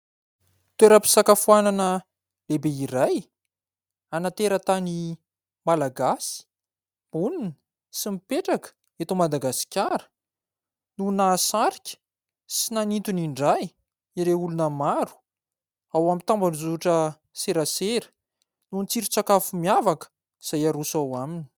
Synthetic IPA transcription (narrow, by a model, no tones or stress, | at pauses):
t̪weɾəpi̥sakafuananə | lebeiɾaj | anat̪eɾət̪ani | malaɡasi̥ | bulini | simipeʈ͡ʂakə̥ | et̪omad̪aɡasi̥kʲaɾə̥ | nunasaɾi̥kʲə̥ | sinanint̪uniɳɖ͡ʐaj | iɾeulunəmaɾu̥ | awamit̪ambanzuʈ͡ʂə | seɾaseɾə̥ | nunit͡siɾit͡sakafumiavakə̥ | iz̥ajaɾusawamini̥